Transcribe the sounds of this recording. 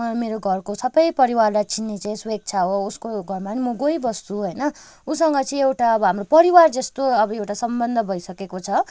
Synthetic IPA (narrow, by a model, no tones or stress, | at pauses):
ʌmeɾoɡʱʌrkosʌbʌjpʌɾiwarlajt͡sʰinːet͡saĩswek̚t͡sʰaɦouskoɡʱʌrmanimuɡoibʌst̪uɦʌjnʌ | usʌŋɡʌt͡sʌĩewʈaʌbʌɦamropʌɾiward͡zʌst̪oʌbʌewʈasʌmbʌnd̪ʱʌbʱʌjsʌkekot͡sʰʌ